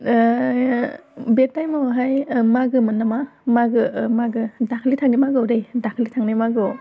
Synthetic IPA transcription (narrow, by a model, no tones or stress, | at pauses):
betːajmoɦajmaɡɯmɯnːamamaɡɯmaɡɯdakʰlitʰaŋnimaɡɯwɾejdakʰlitʰaŋnimaɡɯ